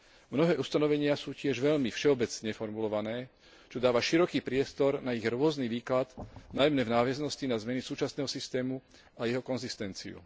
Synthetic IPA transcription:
mnɔɦɛːʔust̪anɔʋɛɲɪasuːcɪɛʒʋɛʎmifʃɛɔbɛt͡sɲɛfɔɾmulɔʋanɛː | t͡ʃɔd̪aːʋaʃiɾɔkiːpɾɪɛst̪ɔɾnaiɣɾʊɔzniːʋiːklad̪najmnɛːvnaːʋɪɛznɔscinazmɛnisuːt͡ʃasnɛːɦɔsist̪ɛːmu | ajɛɦɔkɔnzist̪ɛnt͡sḭṵ

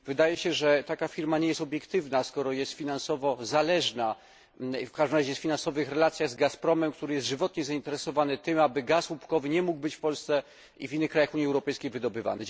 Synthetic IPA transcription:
vɘd̪ajɛɕɛʐɛt̪akafʲiɾmaɲɛjɛst̪ɔbʲjɛkt̪ɘvnaskɔɾɔjɛst̪fʲinansɔvɔzalɛʐna | fkaʒʐd̪ɘmɾaʑɛjɛst̪fʲinansɔvɘxɾɛlat̪sʲjaɣzɡaspɾɔmɛmk̚t̪uɾɘjɛst̪ʐɘvɔt̪ɲɛzaint̪ɛɾɛsɔvanɛt̪ɘmabɘɡaswupkɔvɘɲɛmuɡ̚bɘt͡ɕfpɔlst̪sɛ | ivʲinːɘxkɾajaxuɲːiɛwɾɔpɛjskʲejvɘd̪ɔbɘva̰nɛ

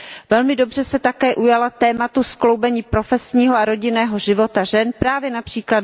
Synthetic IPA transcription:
vɛlmɪdo̞br̝̥ɛsɛt̪akɛːʔujalat̪ɛːmat̪usklowbɛɲiːpɾofɛsɲiːɦoaɾo̞ɟɪnɛːɦo̞ʒɪvo̞t̪aʒɛnpɾaːvjɛnapr̝̥iːklad

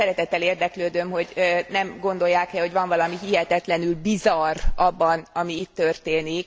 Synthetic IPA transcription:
ɛɾɛt̪ɛt̪ːɛleːrd̪ɛkløːd̪ømɦo̞ɟnɛmɡo̞nd̪o̞jːaːkɛho̞ɟvɒɱvɒlɒmiɦiɦɛt̪ɛt̪lɛnylbizɒrɒbːɒnɒmiit̪ːørt̪eːnik

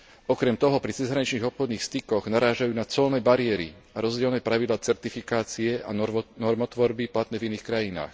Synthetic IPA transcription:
ɔkɾɛmt̪ɔɦɔpɾit͡sɛzɦɾaɲit͡ʃniːɣɔpxɔd̪niːxst̪ikɔɣnaɾaːʒajuːnat͡sɔlnɛːbaɾɪɛɾḭ | aɾɔzɟɪɛlnɛːpɾaʋid̪laːt͡sɛɾt̪ifikaːt͡siɛʔa̰nɔɾmɔt̪ʋɔɾbiplat̪nɛːviniːxkɾajina̰ːx

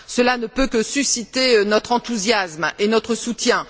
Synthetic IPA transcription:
səlanəpøkəsysit̪enɔt̪χɑ̃t̪uzjasmenɔt̪χəsut̪jɛ̃

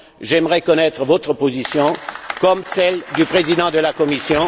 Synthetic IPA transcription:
ʒɛmʁɛkɔnɛt̪χəvɔt̪χəpozisjɔ̃kɔmsɛld̪ypχezid̪ɑ̃d̪əlakɔmisjɔ̃

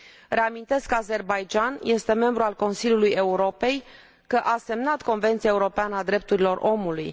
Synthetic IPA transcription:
re̞amint̪e̞skəaze̞rbajd͡ʒanje̞st̪e̞me̞mbɾualko̞nsilʲjuluje̞uɾo̞pe̞j | kəʔase̞mnat̪ko̞nve̞nt̪sijaeuɾo̞peanəad̪ɾe̞p̚t̪uɾilo̞rʔo̞muluj

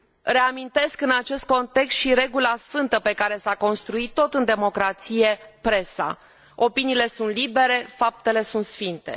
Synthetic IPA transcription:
re̞amint̪e̞skɨnat͡ʃe̞st̪̚ko̞nt̪e̞kst̪ʃiɾe̞ɡulasfɨnt̪əpe̞kaɾe̞sako̞nst̪ɾuit̪ːo̞t̪ɨnd̪e̞mo̞kɾat̪sije̞pɾe̞sa̰ | o̞piniːle̞sunt̪libe̞ɾe̞fap̚t̪e̞le̞sunt̪sfint̪e̞̰

